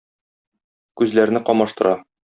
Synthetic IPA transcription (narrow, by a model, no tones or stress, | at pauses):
kʉzlæɾnɘqɒmɑʃt̪ɤ̆ɾɑ